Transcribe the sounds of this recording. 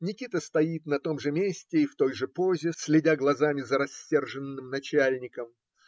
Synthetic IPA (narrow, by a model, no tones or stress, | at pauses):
nʲɪkʲit̪əst̪ɐjit̪nɐt̪o̞mʐɨmʲesʲtʲɪːft̪o̞jʐɨpozʲɪsʲlʲɪdʲaɡlˠɐzamʲɪzəɾɐsʲːe̞rʐɨnːɨmnɐt͡ɕælʲnʲɪkəm